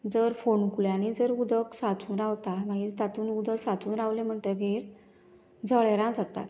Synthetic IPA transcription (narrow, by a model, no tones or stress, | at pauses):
d͡zəɾfoɳkuljãnid͡zəɾud̪əksat͡sʰuːnɾawt̪amaɡit̪at̪uːnud̪ʱəksat͡suːnɾaʋlẽm̤əɳt̪əɡʱeɾ | d͡zəɭeɾãd͡zat̪a̰t̪